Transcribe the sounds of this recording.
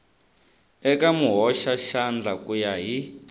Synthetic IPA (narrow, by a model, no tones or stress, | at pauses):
ɛkamuɦɔʃaʃand͡ɮakujaɦi